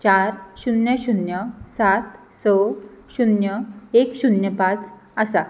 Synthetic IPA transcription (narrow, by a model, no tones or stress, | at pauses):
t͡ɕaɾɕunjəɕunjəsat̪ | səɕunjəekɕunjəpat͡s | əsa